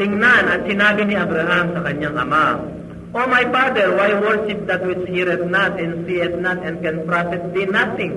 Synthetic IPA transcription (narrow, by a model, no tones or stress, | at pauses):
t̪ɪŋnanɐt̪̚sɪnaːbinɪʔɐbɾɐɦamsɐkɐɲaŋʔɐ̰ma | ʔomajpad̪ɛɹwajwɛɹʃɪp̚d̪ɐt̪̚wɪt͡ʃhiɾɛt̪̚nat̪ɛ̃nsiɛt̪̚nat̪ɛ̃n̚kɛ̃npɾafɛt̪̚b̪inat̪ɪ̃ŋ